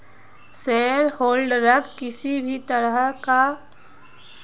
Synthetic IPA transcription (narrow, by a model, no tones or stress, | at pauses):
seːɾhoːlɖɾəkːkɪsibʱit̪əɾəɦka